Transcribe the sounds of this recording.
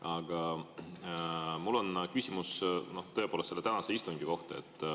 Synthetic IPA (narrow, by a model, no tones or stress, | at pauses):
ɑɡ̥ɑ | mulːo̞nkysʲimusno̞ht̪ɤ̞epoːlestːse̞lːet̪ænɑse̞ist̪uŋɡiko̞ht̪ɑe̞̰t̪ː